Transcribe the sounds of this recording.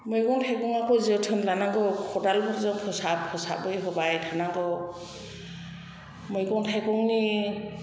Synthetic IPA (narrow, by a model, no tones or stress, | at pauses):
mɯjkɔŋtʰajkɔŋakɔziɔtʰɯnlanaŋɡɔkʰɔdalbɔɾzɔŋpʰɔsapʰɔsa̰bɯjɦɔbajtʰanaŋɡɔ | mɔjkɔŋtʰajkɔŋni